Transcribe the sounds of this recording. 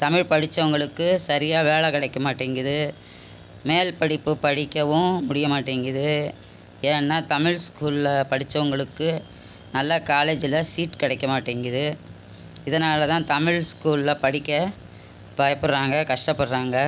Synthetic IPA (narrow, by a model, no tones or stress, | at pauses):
t̪ɐmɪɻpɐɽɪt͡ʃːɐʋɐŋɡɐɭɯkːɯsɐɾɪjaːʋeːɭɐkɐɽɐɪkːɐmaːʈːeːŋɡɪðɯ | meːlpɐɽɪpːɯpɐɽɪkːɐʋɯ̃mʊɽɪjɐmaːʈːeːŋɡɪðɯ | eːɛnːaːt̪ɐmɪɻskuːlɪlɐpɐɽɪt͡ʃːɐʋɐŋɡɐɭɯkːɯ | nɐlːɐkaːleːd͡ʒɪlɐsiːʈkɪɽɐɪkːɐmaːʈːeːŋɡɪðɯ | ɪðɐnaːlɐt̪ãːt̪ɐmɪɻskuːlɪlɐpɐɽɪkːɐ | bajɐpːɯɽɾaːŋɡɐkɐʂʈɐpːɐɽɾaːŋɡɐ